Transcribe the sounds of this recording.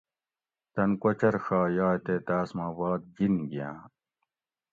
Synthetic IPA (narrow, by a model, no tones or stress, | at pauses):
t̪ɐnkɐt͡ɕɐɾʂaːjaːet̪eːt̪aːsmaːbɑːd̪̚d͡ʑinɡijã̰ː